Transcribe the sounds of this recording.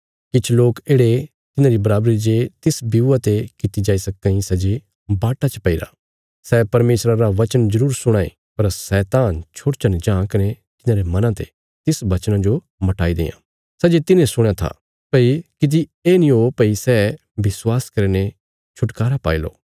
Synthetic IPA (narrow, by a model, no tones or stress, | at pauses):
kɪt͡ʃʰloːkeːɽe | t̪ɪnãɾibɐɾaːbɾid͡ʒet̪ɪsbiuat̪ekɪt̪id͡ʒaːisɐk̚ːãĩsɛd͡ʒe | baːʈat͡ʃpɐiɾa̰ː | sɛːpɐɾmeːsɾaɾaʋɐt͡ʃənzɐɾuːɾsʊɽ̃aːḛ | pɐɾsɛːt̪aːnt͡ʃʰoɽt͡ʃənd͡ʒãːkɐne | t̪ɪnãːɾemɐnãt̪e | t̪ɪsʋɐt͡ʃnãd͡ʒo | mɐʈaːid̪ḛːjã̰ː | sɛːd͡ʒet̪ɪnẽsʊɽ̃jat̪ʰa̰ː | pɐikɪd̪̬ieːnĩopɐisɛː | bɪswaːskɐɾne | t͡ʃʰʊʈkaːɾapaːilo̰ː